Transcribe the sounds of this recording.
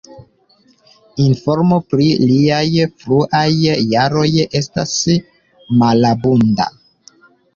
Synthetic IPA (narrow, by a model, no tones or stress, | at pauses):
info̞ɾmo̞pɾiliajfɾuʔajːaɾo̞je̞sta̰s | malabunda̰